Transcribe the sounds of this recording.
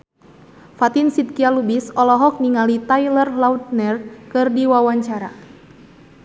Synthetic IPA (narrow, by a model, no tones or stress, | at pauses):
fat̪insit̪̚kialubisɔlɔɦɔk̚niŋalit̪ajlərlaut̪̚nɛrkɨrdiwawaɲt͡ʃaɾa